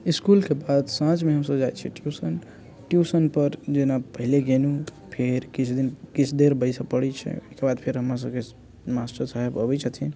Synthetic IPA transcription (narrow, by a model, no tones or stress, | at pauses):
iskulkebad̪sãt͡ʃmeɦəmsəbd͡ʒaj̪t͡ʃʰiʈjusən | ʈjusənpəɾd͡ʒenapəɦileɡenũ | pʰeɾkit͡ʃʰd̪inkit͡ʃʰd̪eɾbəɪsapəɽɛt͡ʃʰɛ̰kebad̪pʰeɾɦəmɾas̬əbke | masʈəɾt͡ʃaɦebəbɛt͡ʃʰət̪ʰi